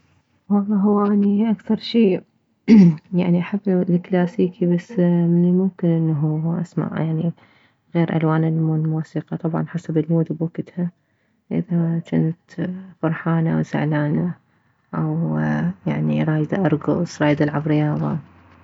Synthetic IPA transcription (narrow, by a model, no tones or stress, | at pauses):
wɑlˤːɑːɦʊwːʔaniʔakθɑɾˤʃiː | jaʕniʔaħabːlɪklaːsiːkibasːmɪnɪlmʊmkɪnʔɪnːaɦuʔa̰sma̰ʕjaʕni | ɣeːɾʔa̰lwaːnɪlmuːmuːsiːqɑt̪ˤɑbʕɑ̰nħasabɪlmuːd̪bakɪt̪ha | ʔɪ̰ðat̪ɪnɪt̪fɑɾˤħaːnaʔwsa̰ʕlaːna | ʔawjaʕnḭɾˤɑːjd̪aʔɑɾˤɡʊ̰sˤɾˤɑːjd̪alʕabɾɪjɑːðˤɑ̰